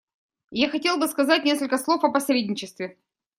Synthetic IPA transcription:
jaxɐtʲe̞lˠbɨskɐzat̚ʲnʲe̞skəlʲkəslˠofɐpɐsɾʲedʲnʲɪt͡ɕɪst̪vʲɪ

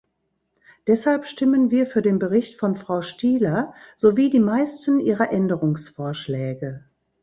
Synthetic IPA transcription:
d̥ɛshalpʃtɪmənviːɐfyːɐdeːnbəʁɪçtfɔnfʁ̥aʊʃtiːlɐz̥oviːdiːmaɪstən̩ʔiːʁɐʔɛndəʁʊŋsfoːɐʃlɛːɡə

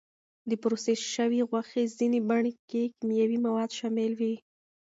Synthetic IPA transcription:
d̪əpɾoseʃəwiɣwaxezinebaɳekekimijawimawɑd̪ʃɑmɪlwi

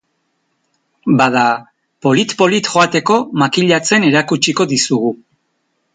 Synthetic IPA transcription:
bað̞a | po̞lit̪po̞lit̪xo̞at̪e̞ko̞makiʎat͡se̞ne̞ɾakut͡ʃiko̞ðisuɣu

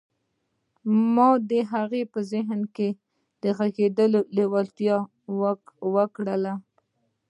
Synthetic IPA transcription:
mɑd̪əɦaɣepəzɪɦnke | d̪əɣaɡed̪əlolewalt̪jɑ | wwəkɽəla

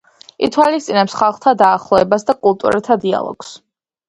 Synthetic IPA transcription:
it̪ʰwalist̪sʼinɛpsχalˠχt̪ʰad̪aːχlˠɔɛbasd̪akʼulˠt̪ʼṵɾɛt̪ʰad̪ia̰lˠɔ̰ɡ̥s

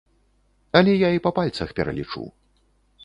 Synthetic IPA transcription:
ɐlʲɛjaipɐpalʲt̪sɐxpʲɛɾɐ̰lʲḭt͡ʂṵ

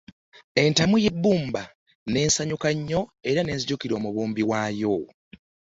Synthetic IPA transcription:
e̞ntamuje̞bːuːmba | ne̞ːnsaɲukaɲːo̞e̞ɾane̞ːnziɟukiɾo̞ːmuβuːmbiwaːjo

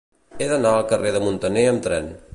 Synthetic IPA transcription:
eðənaəlˠkəreðəmunt̪əneəmt̪ɾɛn

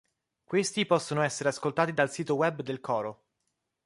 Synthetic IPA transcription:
kwest̪ipɔsːonoɛsːeɾeaskolt̪aːt̪id̪alsiːt̪owɛbd̪elkɔːɾo

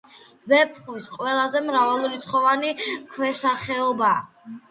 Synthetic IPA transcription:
vɛp̚ʰχisqʼwɛlˠazɛmɾavalˠuɾit̪sʰχɔvanikʰwɛsaχɛɔba̰ː

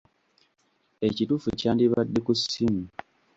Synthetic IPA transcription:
e̞cituːfuecaːndiβadːekusimi

